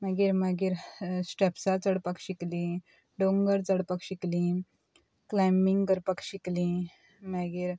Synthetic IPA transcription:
maɡiːɾmaɡiːɾsʈɛpsat͡səɽpakɕiklĩ | ɖoŋɡəɾt͡səɽpəkɕiklĩ | klajmiŋɡɡəɾpəkɕiklĩ | maɡiːɾ

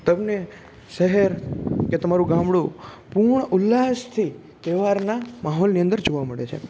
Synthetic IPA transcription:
t̪əmne | ʃəɦəɾket̪əmaɾũɡãmbɽu | puɳəʊlːast̪ʰi | t̪eʋaɾnamaɦɔlniə̃nd̪əɾd͡ʒoʋaməɭet͡ʃʰḛ

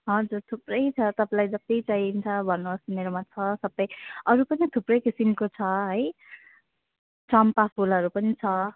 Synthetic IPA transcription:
ɦʌd͡zurt̪ʰuprʌjt͡sʰʌt̪ʌpãlajd͡zʌt̪it͡sʌjnt͡sʰʌbʱʌnːusimeɾomat͡sʰʌsʌbʌjʌɾupʌnit̪ʰuprʌjkisimkot͡sʰʌɦʌj | t͡sʌmpapʰulɦʌɾupʌnit͡sʰʌ

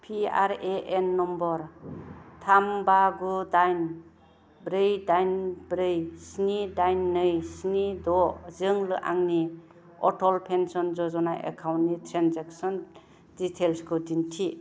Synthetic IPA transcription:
pʰia̰ɾeʔenːɔmbɔɾ | tʰambaɡudajn | bɾɯjdajnbɾɯjsnidajnːɯjsnidɔzɯŋlɯʔa̰ŋni | ɔtʰɔlpʰensɔnzɔzɔnaʔḛkʰawnnitʰɾanzaksɔn | ditʰelskʰɯdintʰi

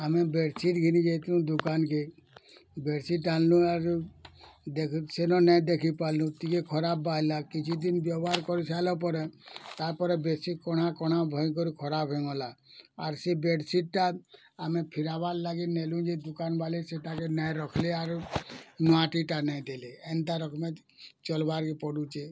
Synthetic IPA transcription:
amɛ̃beɽsiʈɡʱinid͡ʒet̪lũd̪ukanke | beɖsiʈallũaɾ | d̪eksenɔnɛjd̪ekʰipallũt̪ikekʰɔɾabːajlakit͡ʃʰid̪inbjɔbɦaɾkɔɾisalɔpɔɾɛt̪aɾpɔɾɛbesikɔɽakɔɽ̤̃abʱɔjkɔɾikʰɔɾabɦẽŋɡɔlaaɾsebeɖsiʈ̚ʈa | amẽpʰiɾaballaɡinelũd͡ʒed̪ukanbaleseʈakenɛjɾɔkʰleaɾ | nɔaʈiʈanɛjd̪eleent̪aɾɔkmẽ | t͡ʃɔlbaɾkepɔɽut͡ʃe

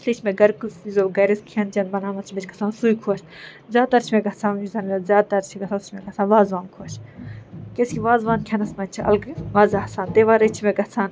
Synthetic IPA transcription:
sʰliːt͡ʃʰmeɡɐɾkusizoːɡɐɾiskʰiɐnt͡ʃʲɐnbɐnaːmɐt͡ʃʰimet͡ʃʲɡɐ̥t͡sʰaːnsuːjkʰuɐʃʲ | zʲaːd̪̚t̪ɐɾt͡ʃʰimeɡɐt͡sʰãːuzɐnɐzʲjaːd̪̚t̪ɐɾt͡ʃʰiɡɐt͡sʰaːust͡ʃʰimeɡɐt͡sʰaːnʋaːzʋaːnkʰuɐt͡ʃʰ | kʲeskʲiʋaːzʋaːnkʰʲɐnɐsmɐnt͡ʃʰiɐ̰lɡʋaːzaːɦsaːnt̪eːʋaːɾɐt͡ʃʰimeɡɐt͡sʰaːn

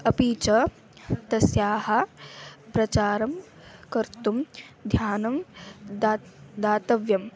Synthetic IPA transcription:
ɐpiːt͡ʃɐ | t̪ɐsjaːɦɐ̆ | pɾɐt͡ʃaːɾɐm | kɐɾt̪umd̪ʱjaːnɐmː | d̪aːt̪ɐʋjɐm

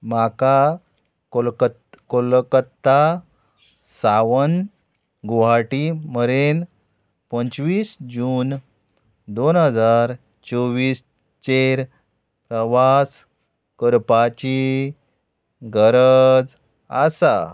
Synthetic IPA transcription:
maka | olkət̪kolkət̪ːa | saʋən | ɡuɦaʈiməɾen | pənt͡sʋiːsd͡ʑuːn | d̪onɦəd͡zaɾ | t͡ɕɔʋiːs | t͡ɕeɾ | pɾəʋas | kəɾpat͡ɕi | ɡəɾəd͡z | asa̰

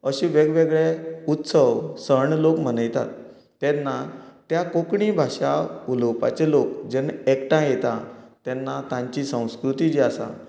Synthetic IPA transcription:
əɕĩʋeɡʋeɡɭɛut̪səwsəɳlokm̤ənəjt̪a̰t̪ː | ɛ̃nːat̪jakokɳibʱaɕauləwpa̰t͡ɕelokd͡ʑɛnekʈãjet̪a̰t̪ɛnːat̪ãɲt͡ɕisə̃w̃skɾut̪id͡ʑiasa̰

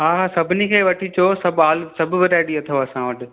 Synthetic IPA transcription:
ɦaːɦaːsɐbʱɪnikʰeːʋɐʈʰit͡ɕʰosɐbʱaːlsɐbʱʊ̆bɪɾaːɪɽiɐt̪ʰoɐsãʋɐʈʰɪ̆

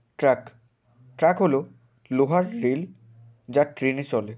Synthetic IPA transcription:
ʈɾak | ʈɾakɦolo | loɦaɾːel | d͡ʑaʈɾenit͡ɕɔle

